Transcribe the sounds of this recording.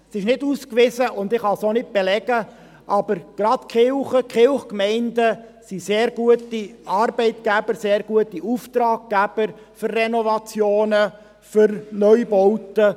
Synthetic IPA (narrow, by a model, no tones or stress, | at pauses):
sɪʃnɪduskʋɪzəʔʊnd̪ɪχhɑsonɪt̚b̥ɛlɛɡə | ʔɑb̥əɾɡ̥ɾɑt̪kχɪlχəkχɪlχkmɛɪndəsiseːɾɡuətiɑrbɛɪt̪ɡ̥æbəɾseːɾɡ̥uətiuft̪ɾɑːɡ̚ɡ̥æb̥əɾ | fʏrːɛnɔvɑt͡sjoːnə | fʏɾnœʏbɔwtə